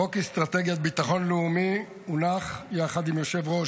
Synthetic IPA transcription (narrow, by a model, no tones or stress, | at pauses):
okist̪ʁat̪eɡjat̪̚bit̪aχo̞nleumi | unaχjaːχad̪imjoʃe̞vʁo̞